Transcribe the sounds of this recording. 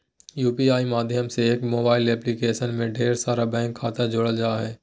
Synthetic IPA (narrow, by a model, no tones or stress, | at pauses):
juːpiaːimaːd̪ʱjəmseeːkmoːbaːɪlɛːplikeːʃənmẽɖʱeːɾsaːɾabɛ̃ːŋkʰːaːt̪ad͡ʒoːɽəld͡ʒaːɦɛː